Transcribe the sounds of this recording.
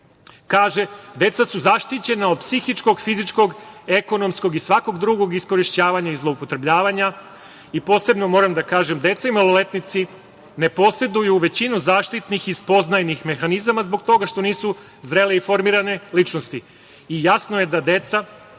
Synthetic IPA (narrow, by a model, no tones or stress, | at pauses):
kaːʒed̪e̞t̪sasuzaʃt̪it͡ɕe̞naod̪̚psixit͡ʃko̞ɡfizit͡ʃko̞ɡe̞ko̞no̞msko̞ɡisʋako̞ɡd̪ɾuɡo̞ɡisko̞ɾiʃt͡ɕaːʋaɲaizlˠoupo̞t̪ɾe̞bʎaːʋaɲa | ipo̞ːse̞bno̞mo̞ɾamd̪akaːʒe̞md̪e̞t̪saimolole̞t̪nit̪si | ne̞po̞se̞d̪ujuʋe̞t͡ɕinuzaːʃt̪it̪nixispo̞znajnixme̞xanizamazbo̞ɡt̪o̞ɡaʃt̪o̞niːsu | zɾe̞leifo̞ɾmiːɾane̞lit͡ʃnost̪i | ijasnoje̞d̪ad̪e̞t̪sa